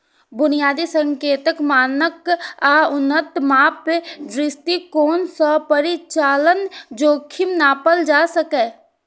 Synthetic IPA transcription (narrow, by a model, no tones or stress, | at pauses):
bʊnijaːd̪isə̃ŋkeːt̪əkmaːnəkaʊnːət̪maːpːed̪ɾɪst̪ikoːnsəpəɾit͡ʃaːlənd͡ʒoːkʰɪmnaːpəld͡ʒaːsəkeː